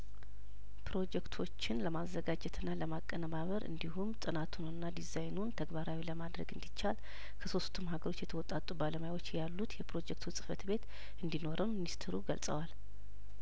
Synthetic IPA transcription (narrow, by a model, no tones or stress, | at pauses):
pɾo̞d͡ʒɛkt̪ʰo̞t͡ʃːɪnləmazːəɡad͡ʒɛt̪ʰɨnːaləmakʼːənəmaβəɾʔɨ̰nd̪ihumt̪ʼɨnat̪ʰunɨnːad̪izajnunt̪ʰəɡbaɾawiləmad̪ɾə̰ɡɨnd̪it͡ʃːal | kʰəso̞st̪ʰɨmɦaɡəɾo̞t͡ʃːjɛt̪ʰəwɔt̪ʼat̪ʼubaləmajwo̞t͡ʃːjalːut̪jɛpɾo̞d͡ʒɛk̚t̪ʰusʼɨ̥fət̪be̞t̪ | ɨnd̪ino̞ɾʔɨminist̪ʰɨɾuɡəlsʼə̰wal